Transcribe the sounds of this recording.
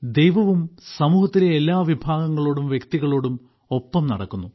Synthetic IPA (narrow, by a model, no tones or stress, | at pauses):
d̪e̞jʋɐʋumsɐmuːhɐt̪ːileelːaːʋibʱaːɡɐŋːɐɭo̞ːɽumʋjekt̪iɣɐɭo̞ːɽum | o̞pːɐmnɐɽɐ̰kːunːu